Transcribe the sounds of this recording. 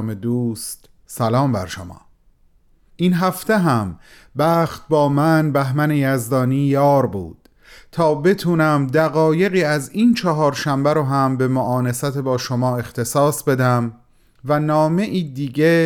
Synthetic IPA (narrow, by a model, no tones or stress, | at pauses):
med̪uːst̪ | sælɒːmbæ̰ɾʃo̰mɒ̰ː | ʔinɦæft̪eɦæm | bæːxt̪̚bɒːmænbæɦmænejæzd̪ɒːniːjɒːɾbṵːd̪̥ | t̪ʰɒːbe̞t̪ʰuːnæmd̪æɣɒːje̞ɣiːæziːnt͡ʃʰɒɦɒːɾʃæmbæɾɔɦæmbe̞moʔɒːnesæt̪ʰebɒːʃomɒːe̞xt̪ʰe̞sɒːsbe̞d̪æm | vænɒːme̞ʔiːd̪iːɟe